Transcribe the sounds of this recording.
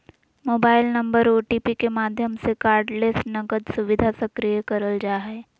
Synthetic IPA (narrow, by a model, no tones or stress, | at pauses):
moːbaːɪlnɐ̃mbəɾoːʈipikemaːd̪ʱjəmsekaːɾɖlesʈnɐɡəd̪sʊʋɪd̪ʱasɐkɾijəkɐɾəld͡ʒaːɦɛː